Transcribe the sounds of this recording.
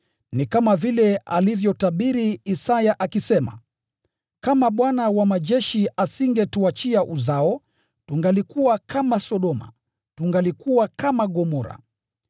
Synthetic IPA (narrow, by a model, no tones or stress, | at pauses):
nikamavilɛa̰livjɔtaɓiɾiːsajaʔakisɛma̰ | kamaɓwanawamaʄɛʃiʔasiŋɡɛtuat͡ʃiaʔuzaɔ | tuŋɡalikuwakʰamasɔɗɔma̰ | tuŋɡalikuwakamaɡɔmɔɾa̰